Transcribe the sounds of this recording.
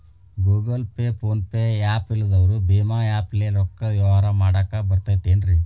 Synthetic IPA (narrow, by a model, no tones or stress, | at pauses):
ɡuːɡɐlpepʰoːnpeaːpilːɐd̪ɐʋɐɾubeːmaːjaːpleɾɔkːɐʋjɐʋɦaːɾɐmaːɽaːkabɐɾt̪aːjt̪enɾi